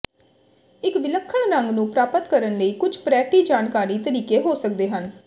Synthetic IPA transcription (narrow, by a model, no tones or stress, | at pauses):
ɪkʋɪləkʰːəɳɾəŋɡnũːpɾaːpət̪kəɾənləiːkʊd͡ʒpɾɛːʈiːd͡ʒaːnkaːɾiːt̪əɾiːkeːɦoːsək̚d̪eːɦən